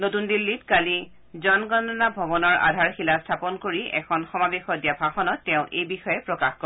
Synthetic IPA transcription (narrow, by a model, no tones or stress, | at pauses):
notundilːitkali | zɔnɡɔnɔnabʱɔbɔnɔɹa̰dʱaɹxilastʰapɔnkoɹiɛ̰kʰɔnxɔmabexɔdijabʱaxɔnɔtːɛʊ̃ʔejbixɔjɛpɹɔkaxkɔ